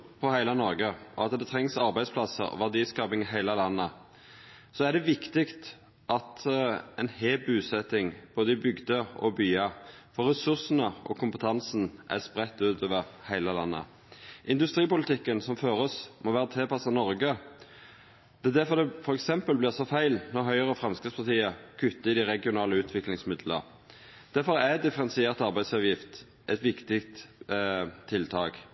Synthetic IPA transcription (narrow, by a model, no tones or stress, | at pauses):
pʰɔhæɪlɑnɔɾɡəʔɔ̰ɑt̪d̪ɛt̪ʰɾɛŋsɑʁbæɪspʰlɑsə̰ɾɔ̰ʋæʁd̪iːskɑːpɪŋɪɦæɪləlɑnːə | sɔæd̪ɛʋɪkt̪ɪkt̪ | ʔɑt̪ɛnheːbʉːsɛt̪ɪŋb̥oːd̪əɪbʏɡd̪əɔ̰byːɑfɔɾɛsʉʁsənəʔɔ̰kʰʊmpət̪ʰɑnsn̩ʔæ̰spʁɛt̪ːʉːt̪ʰoːʋəʁhæɪləlɑ̰nːə̰ | ʔɪnd̪ʉst̪ʁiːpʊlɪt̪ɪkːənsɔmføːʁəsmoːʋæːʁət̪ʰeːpɑsɑnɔɾɡə | d̪̥ɛæd̪æfɔd̪ɛfɔɾɛksɛmpəlblɪʁsɔfæɪlnɔʁɦœʏəʁəfʁɑmskʁɪtspʰɑʁt̪ʰiːəkʰʉt̪ːəɪd̪ɪʁɛɡɪʊnɑːləʉːt̪ʰʋɪklɪŋsmɪd̪lə̰ɾ | d̪̥æɾfɔɾæd̪ɪfəʁɛnsɪeːʁt̪ɑʁbæɪsɑʋjɪft̪ | ʔɛt̪ʋɪkt̪ɪkt̪ | t̪ʰːɪlt̪ʰɑːɡ